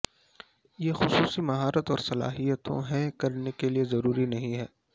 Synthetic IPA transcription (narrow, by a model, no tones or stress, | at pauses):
jexʊsuːsimɐɦaːɾət̪ɔːɾsɐla̰ːɦijət̪õ̰ɦɛkɐɾnekeliezɐɾuːɾinɐɦĩɦɛː